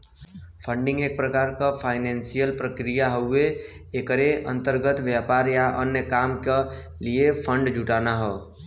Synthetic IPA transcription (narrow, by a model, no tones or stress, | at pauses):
pʰəɳɖɪ̃ŋɡeːk̚pɾəkaːɾkapʰaːɪnensijəlpɾəkɾijaɦəweː | kəɾeʔə̰̃nt̪əɾɡət̪ʋjapaːɾjaʔənjəkaːmke | liepʰə̃ɳɖd͡ʒʱuʈanaɦɔː